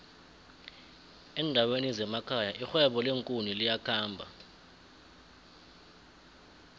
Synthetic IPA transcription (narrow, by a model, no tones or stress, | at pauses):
ɛndʱawenizɛmakʰajaʔixwɛɓɔleŋkʼunilijakʰaːmbʱa̰